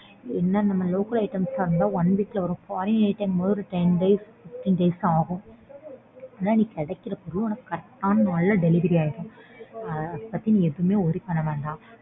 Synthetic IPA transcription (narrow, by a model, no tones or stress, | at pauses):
ɛnːɐnɐmːɐloːkɐɭɐɪʈːɐmsaːɾɯnd̪aːɐnʋiːʈːɪlɐʋɐɾʊ̃faːɾɪ̃nɐɪʈːɐŋɡmoːðɯɾɐʈɛnɖɐɪsfɪʈ̪ːɪŋɖɐɪsaːɣʊ̃ | ɐnːaːniːkːɛɽɐkːɪɾɐpɔɾɯɔɳɐkːkːɐɾk̚t̪ːaːnnaːɭlːɐɖɛlɪʋɐɾiaːjɪɾʊ̃ɐɐðɐpːɐt̪ːinĩːɛðɯmeːɔɾɪkɐnɐʋeːɳɖãː